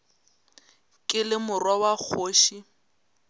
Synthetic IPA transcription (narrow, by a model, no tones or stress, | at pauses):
kʼɪlɪmʊrwawak͡xʰoːʃi